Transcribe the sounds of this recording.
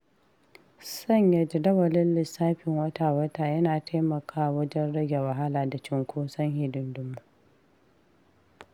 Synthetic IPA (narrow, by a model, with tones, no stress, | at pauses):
sɐ˦˨ɲjɐ˨d͡ʒɪ˨dɐ˦wɐ˨lɪ˦nlɪ˨saː˦ɸɪ˨ŋwɐ˦taː˨wɐ˦taː˨jɐ˦naː˨taː˦mɐ˨kʰaː˦˨wɐ˦d͡ʒɛ˦nɽɐ˦ɡʲe˨wɐ˨ɦa˦laː˨da˨t͡ʃɪ˦ŋkʷoː˦sɐ˦ŋhɪ˨dɪ˨ndʊ˦mːu˦ʔ